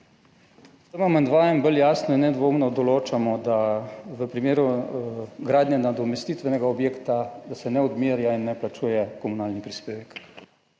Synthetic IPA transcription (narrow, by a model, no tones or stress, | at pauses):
səmamɛnd̪ʋaːjɛmbəljaːsnɔinːɛd̪ʋoːmnɔd̪ɔloːt͡ʃamɔd̪aʋəpɾimeːɾu | ɡɾaːd̪nʲjɛnad̪ɔmɛst̪it̪ʋɛnɛɡaɔbjeːkt̪ad̪asɛnɛɔd̪miːɾjainːɛplat͡ʃuːjɛkɔmunaːlnipɾispeːʋɛk